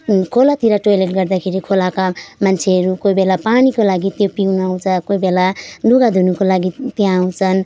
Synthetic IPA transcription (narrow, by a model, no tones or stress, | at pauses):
kʰolat̪iɾaʈojleʈɡʌrd̪akʰeɾikʰolakamant͡sʰeɦʌɾukojbelapanikolaɡit̪jopiunaw̃t͡sʰʌkojbelaluɡad̪ʱunukolaɡit̪jãaw̃t͡sʰʌn